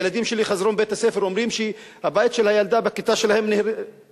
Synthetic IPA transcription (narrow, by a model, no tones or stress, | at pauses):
elad̪imʃeliχazʁo̞nbet̪hasefeɾo̞mʁimʃe | habajit̪ʃelhajald̪abekit̪aʃelahemne